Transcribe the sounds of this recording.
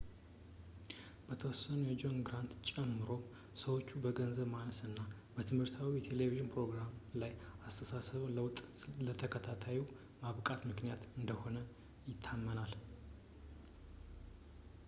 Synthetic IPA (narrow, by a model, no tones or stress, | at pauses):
b̥ət̪ʰəwɔsːənujɛd͡ʒo̞nɡɾant̪t͡ʃʼɛmːɨɾo̞ | səwo̞t͡ʃːubəɡənzəβmaləsɨnːa | b̥ət̪ʰɨmhɨɾt̪ʰawijɛt̪ʰe̞le̞viʒɪnpɾo̞ɡɾamlajast̪ʰəsasəβləwt̪ʼlət̪ʰəkʰət̪ʰat̪ʰaji | maβkʼat̪mɨknijat̪ɨnd̪əho̞nə | jɪt̪ʰːamːənal